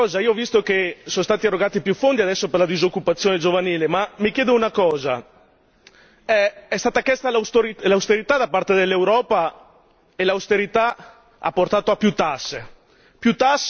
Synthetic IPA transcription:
ɔːzaiːoɔvist̪okesonst̪aːt̪iarːoɡaːt̪ipjufond̪iad̪ɛsːoperlad̪izokːupat̪sːjoːned͡ʒovaniːlemamikjɛːd̪ounakɔːza̰ | ɛɛst̪aːt̪akjɛst̪alast̪oɾilaust̪eɾit̪ad̪apːart̪ed̪elːewɾɔːpa | elaust̪eɾit̪a | a̰pːort̪aːt̪oapːjut̪asːe | pjut̪asː

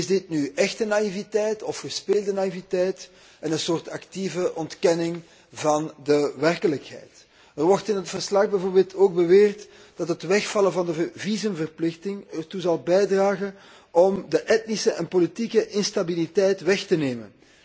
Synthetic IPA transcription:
ɪzdɪtnyɛxtənaivitɛjtɔfxəspeːlˠdənaivitɛjt | ənənsoːrtɑktivəʔɔntkɛnɪŋ | vɑndəʋɛrkələkhɛ̰jt | ərwɔrtɪnɦətfərslɑɣbɛvoːrbeːlˠtʰoːɡ̚bəʋeːrt | d̥ɑtɦətʋɛxfɑlənvɑndəvizəmvərplɪxtɪŋərtuzɑlˠbɛjdraːɣən | ɔmdəʔɛtnisəʔɛnpolitikəʔɪnstabilitɛjtʋɛxtəneːmə̰n

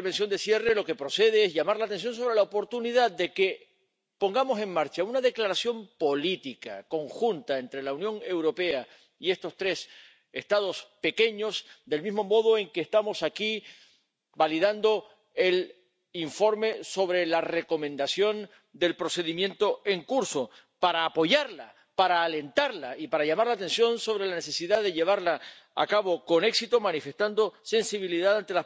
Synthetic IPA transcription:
βensjo̞nd̪esje̞re̞lo̞ke̞pɾo̞se̞ð̞e̞esʝamaɾlat̪e̞ns̬jo̞ns̬o̞βɾe̞laopo̞ɾt̪uniðad̪d̪e̞ke̞ | po̞ŋɡamo̞se̞ŋmaɾt͡ʃaunaðe̞klaɾasjo̞mpo̞lit̪ika̰ko̞ŋxunt̪ae̞nt̪ɾe̞launjõ̞ŋe̞wɾo̞pe̞a | ie̞st̪o̞st̪ɾe̞s | e̞st̪að̞o̞spe̞ke̞ɲo̞sd̪e̞lmizmo̞mo̞ð̞o̞e̞ŋkeːst̪amo̞saki | baliðand̪o̞ | el | iɱfo̞ɾme̞so̞βɾe̞lare̞ko̞mẽ̞nd̪asjo̞n | d̪e̞lpɾo̞se̞ðimjẽ̞nt̪o̞e̞ŋkuɾso̞ | paɾaːpo̞ʝaɾla | paɾaːle̞nt̪aɾlaipaɾaʝamaɾlaːt̪e̞nsjo̞nso̞β̞ɾe̞lane̞se̞siðaðe̞ʎe̞β̞aɾla | a̰kaβo̞ko̞ne̞ksit̪o̞manife̞st̪and̪o̞se̞nsiβ̞iliðaðant̪ela

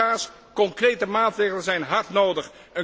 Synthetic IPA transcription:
aːs | kɔŋkrejtəmaːtrejχlənzɛjnɦɑɹtnowdəχ | ə

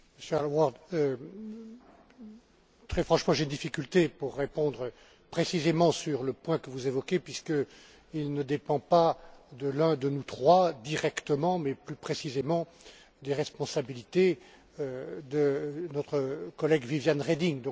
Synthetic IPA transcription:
məsjøalwaʁd̪ | t̪χɛfχɑ̃ʃmɑ̃ʒeynd̪ifikʲylt̪epuʁːepɔ̃d̪ʁə | pχesizemɑ̃syʁləpwɛ̃kəvuzevɔkʲepɥiskə | ilnəd̪epɑ̃pad̪əlɛ̃d̪ənut̪χwad̪iʁɛkt̪əmɑ̃mɛplypχesizemɑ̃ | d̪eʁɛspɔ̃sabilit̪e | d̪ənɔt̪χəkɔlɛɡvivjanʁed̪iŋd̪ɔ̃k

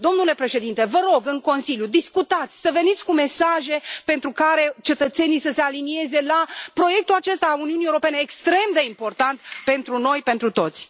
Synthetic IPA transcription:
d̪o̞mnule̞pɾe̞ʃe̞d̪int̪e̞vəɾo̞ɡɨŋko̞nsiljud̪iskut̪at̪sʲsəve̞nit̪sʲkume̞saʒe̞pent̪ɾukaɾe̞t͡ʃe̞t̪ət̪se̞nijsəse̞alinie̞ze̞lapɾo̞je̞k̚t̪ulat͡ʃe̞st̪aːluniuniewɾo̞pe̞neːkst̪ɾe̞md̪e̞impo̞rt̪ant̪pe̞nt̪ɾuno̞jpe̞nt̪ɾut̪o̞t̪sʲ

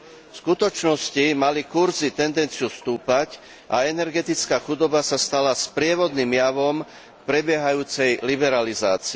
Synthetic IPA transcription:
fskut̪ɔt͡ʃnɔscimalikuɾzit̪ɛnd̪ɛnt͡siust̪uːpac | ʔaɛnɛɾɡɛt̪it͡skaːxud̪ɔbasast̪alaspɾɪɛʋɔd̪nimjaʋɔm | pɾɛbɪɛɦajuːt͡sɛjlibɛɾaliza̰ːt͡si

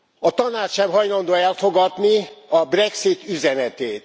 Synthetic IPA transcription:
ɒt̪ɒnaːt͡ʃːɛmɦɒjlɒnd̪oːɛlfoɡɒd̪niɒbrɛksit̪yzɛnɛt̪eːt̪

